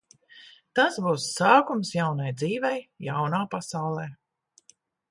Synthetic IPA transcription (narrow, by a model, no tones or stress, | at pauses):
t̪asbuːsːaːkumsjawnajd̪ziːvɛjjawnaːpasawlˠɛː